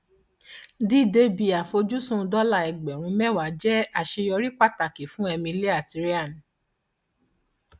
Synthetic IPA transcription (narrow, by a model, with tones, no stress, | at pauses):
di˦˨de˦bi˧a˨fo˧d͡ʒu˦sũ˦˧dɔ˦la˦˨ɛ˨ɡ͡bɛ˨w̃ũ˧mɛ˦˨wa˨˦d͡ʒɛ˦a˦˨ʃe˧jɔ˧ɾi˦k͡pa˦˨ta˨ke˨fũ˦ɛ˧mĩ˧le˦a˦˨ti˧ɾi˦a˦˨n˨